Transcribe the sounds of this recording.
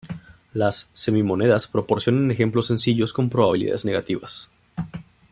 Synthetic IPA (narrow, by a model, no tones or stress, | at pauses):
lasːe̞mimo̞ne̞ðaspɾo̞po̞ɾsjo̞nane̞xe̞mplo̞sːe̞nsiʝo̞sko̞mpɾo̞βaβiliða̰ðezne̞ɣat̪iβas